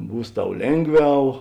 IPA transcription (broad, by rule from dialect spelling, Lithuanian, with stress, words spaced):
ˈbuːs ˈtɐʊ ˈlʲeːŋˌɡʋʲɛʊ